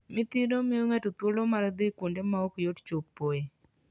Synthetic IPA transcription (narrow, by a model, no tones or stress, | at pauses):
mɪt̪iɾomɪoŋatot̪wolomaɾd̪ɪkwondemaokjott͡ʃopːoe